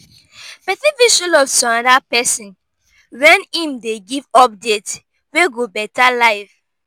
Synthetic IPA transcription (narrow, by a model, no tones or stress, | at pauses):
fɛtiviʃulɔvsɔ̃ãdapɛsĩn | wɛ̃nĩmdeɡivɔp̚det | weɡobɛtalaɪv